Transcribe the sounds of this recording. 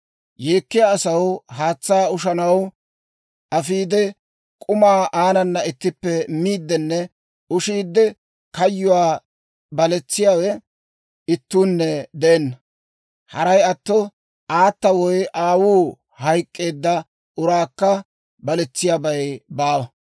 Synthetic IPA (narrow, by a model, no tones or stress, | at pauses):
jeːkːɪjaːsɐwɦaːt͡sːaːʊʃɐnɐw | ʔɐfiːd̪ɛ | kʼʊmaːʔaːnɐnːɐɪt̪ːɪpːɛmiːd̪ːɛnːɛ | ʔʊʃiːd̪ːɛ | kɐjːʊwaː | bɐlɛt͡sːɪjaːwɛ | ɪt̪ːuːnːɛd̪ɛʔɛnːɐ | hɐɾɐjɐt̪ːɔ | ʔaːt̪ːɐwɔjʔaːwuː | hɐjkʼːe̞ːd̪ːɐ | ʔʊɾaːkːɐ | bɐlɛt͡sːɪjabɐjbaːwɐ